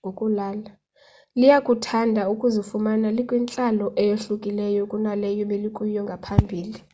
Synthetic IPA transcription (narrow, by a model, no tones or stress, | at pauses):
okʼulaːla | lijakʼutʰandʱaukʼuzifumanalikʼwint͡ɬʼalɔʔɛjoɬukʼilɛjɔkʼunalɛjɔɓeliǃʼujɔŋɡʱapʰambʱiːli